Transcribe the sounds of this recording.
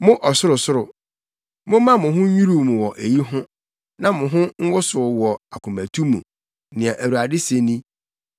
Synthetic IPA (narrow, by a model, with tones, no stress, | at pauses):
mʊ̃˦ʔɔ˨sʊ˦ɾʊ˨sʊ˦ɾʊ˨ | mʊ̃˦mã˦mʊ̃˨ɦʊ̃˦ɲu˦ɾu˦˨mũ˨wɔ˨ʔe˨ji˦ɦʊ̃˦ | nã˦mʊ̃˨ɦʊ̃˦ŋ̩˦wʊ˦sʊ˨˦wɔ˨a˨kʰʊ̃˨mæ̃˨tʰu˦mṵ̃˨ | nɪ̃˨a˨ʔæ˨wu˨a˨dɪ˦se˦nĩ˦